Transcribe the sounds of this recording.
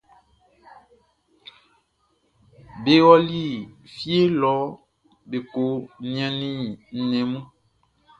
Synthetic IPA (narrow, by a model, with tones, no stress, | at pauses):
be˦wɔ˦li˦˨fje˦lɔ˨˦ | be˨ko˨˦nĩ˨˦ã˦nĩ˦n̩˨nɛ̃˨mũ˦